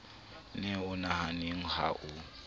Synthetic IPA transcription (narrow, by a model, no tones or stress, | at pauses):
nɛʊnahanɪŋ̩ha̰ʔʊ